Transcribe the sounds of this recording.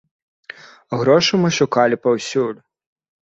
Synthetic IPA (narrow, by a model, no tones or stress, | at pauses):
ɣɾɔʂɨmɨʂukalʲipɐwsʲulʲ